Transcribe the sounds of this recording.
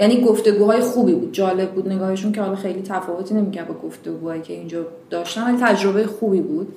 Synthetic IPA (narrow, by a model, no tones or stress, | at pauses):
jæniːɡoft̪e̞ɡuːɦɒːje̞xuːbiːbuːd̪̚d͡ʒɒːle̞b̚bːuːd̪ne̞ɡɒːheʃuncehɒːlɒːxe̞jliːt̪ʰæfɒːvo̞t̪ʰiːne̞miːcʰæɾd̪bɒːɡoft̪e̞ɡuːhɒːjiːcʰe̞ind͡ʒɒː | d̪̥ɒːʃt̪ænvælit̪ʰæd͡ʒɾo̞bejexuːbiːbuːd̪̥̚